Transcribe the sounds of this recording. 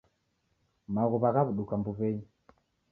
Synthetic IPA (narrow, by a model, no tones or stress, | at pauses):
maɣɔβaɣaβuɗukambuβɛɲi